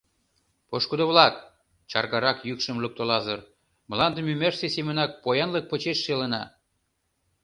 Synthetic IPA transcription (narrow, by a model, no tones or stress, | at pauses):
poʃkud̪oβlɑk̚ | t͡ɕɑrɣɑɾɑkjykʃə̆mluk̚t̪olɑzɤr | məlɑnd̪ə̆mymersesemənɑk̚pojɑnlək̚pə̆t͡ɕeʃːelə̆nɑ̰